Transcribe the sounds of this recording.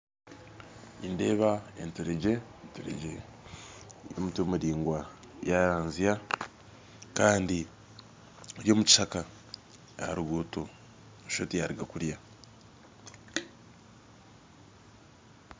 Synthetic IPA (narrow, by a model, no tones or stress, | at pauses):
inde̞ːβaḛntuɾeɟe̞ntuɾḛɟe | jo̰mutwomuɾiːŋɡwa | jaɾaːnzija | kaːndi | oɾjo̞ːmuci̥ʃaka | a̰ɾuɡuto | ʃotijaɾiɡakuɾja